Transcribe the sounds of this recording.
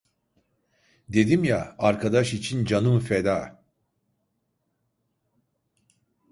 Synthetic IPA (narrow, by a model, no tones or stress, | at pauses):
d̪e̞d̪imjaaɾkʰad̪aʃit͡ʃʰind͡ʒanɯmfed̪aː